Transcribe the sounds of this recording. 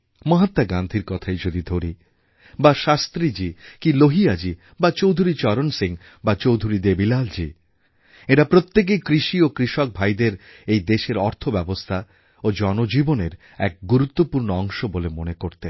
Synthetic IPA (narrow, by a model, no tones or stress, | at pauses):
mɔɦat̪ːaɡand̪ʱiɾkɔt̪ʰaed͡ʑod̪id̪ʱoɾi | baʃast̪ɾid͡ʑikiloɦiad͡ʑi | bat͡ɕowd̪ʱuɾit͡ɕɔɾonsiŋ | bat͡ɕowd̪ʱuɾid̪ebilald͡ʑi | eɾapɾot̪ːek̬ejkɾiʃiokɾiʃok̚bʱajd̪eɾejd̪eʃeɾɔɾt̪ʰobɛbost̪ʰa | od͡ʑɔnod͡ʑiboneɾ | ɛk̚ɡuɾut̪ːopuɾnoɔŋʃobolemonekoɾt̪e